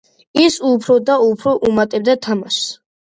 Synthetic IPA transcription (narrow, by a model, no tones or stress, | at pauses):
isupʰɾɔd̪aupʰɾɔʔumat̪ʼɛb̚d̪at̪ʰamas